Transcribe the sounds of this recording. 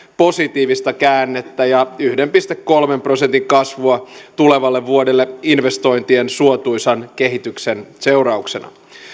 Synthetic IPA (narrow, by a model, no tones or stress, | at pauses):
po̞sit̪iːʋist̪ɑkæːnːet̪ːæjɑyhdempist̪ekːo̞lmempro̞sent̪iŋkɑsʋuɑt̪uleʋɑlːeʋʋuodelːeinʋest̪o̞int̪iensuot̪ujsɑnkeɦit̪yksenseurɑukse̞nɑ̰